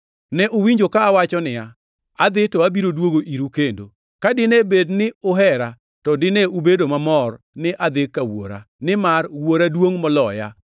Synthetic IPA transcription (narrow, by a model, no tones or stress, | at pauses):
nɛʔowiɲd͡ʒokaːwat͡ʃɔnɪja | ad̪ɪtɔabiɾodwoɡoʔiɾukendo̰ | kadɪnebednɪʊɦɛɾa | tɔdɪneubedomamɔr | nɪʔad̪ɪkːawo̰ɾa̰nɪmarwoɾadwoŋmɔlɔja̰